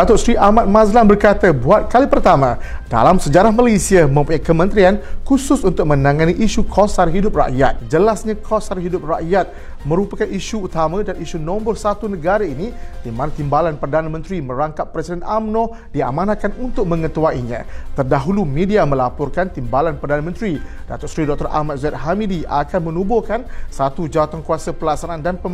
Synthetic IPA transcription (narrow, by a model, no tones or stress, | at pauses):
dat̪ʊsɾiʔamat̪̚mãzlambərkat̪abuat̪̚kalipərt̪amã | d̥a̰lamsəd͡ʒaɾahmalesiamə̃mpuɲakəmə̃nt̪ɾiankusʊsunt̪ʊk̚mə̃nãŋaniʔiʃukʰɔsaɾɦidʊp̚ra̰ʔjat̪̚d͡ʒəlasɲakʰɔsaɾiɦidʊp̚ra̰ʔjat̪̚ | mə̃ɾupakaniʃuːt̪amãdaniʃunɔ̃mbərsat̪unəɡaɾainidimanat̪imbalanpərdanamə̃nt̪ɾimə̃ɾaŋkat̪̚pɾɛsidɛnʔamnɔ̃ | diamãnat̪̚kanunt̪ʊk̚mə̃ŋət̪uaiɲã̰t̪ərdaɦulumẽdiamə̃lapɔrkant̪imbalanpərdanamə̃nt̪ɾi | d̥at̪ɔʔsɾidɔk̚t̪ɔrʔa̰mat̪̚zɛt̪̚hamidiakanmə̃nũbokansat̪ud͡ʒawat̪aŋkuasapəlasanaandanpə